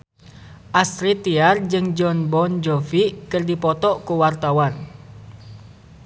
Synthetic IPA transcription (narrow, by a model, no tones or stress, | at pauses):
ʔast̪ɾit̪iard͡ʒɨŋd͡ʒɔnbɔnd͡ʒɔfiʔkɨrdipɔt̪ɔʔkuwart̪awan